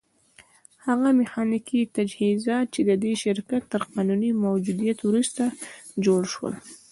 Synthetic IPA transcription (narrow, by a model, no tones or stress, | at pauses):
haɣamɪxɑnikit̪ad͡ʒhizɑt̪̚t͡ʃed̪əd̪eʃɪɾkat̪ːəɾqɑnunimawd͡ʒud̪ijat̪wɾust̪ad͡ʒoɽʃwə̰l